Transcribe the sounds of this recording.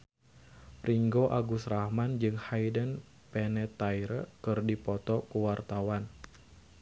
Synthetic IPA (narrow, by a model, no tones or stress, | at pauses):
priŋɡoʔaɡusrahmand͡ʒɨŋhajdən | pɛnɛt̪ajɾəkɨrdipɔt̪ɔkuwart̪awan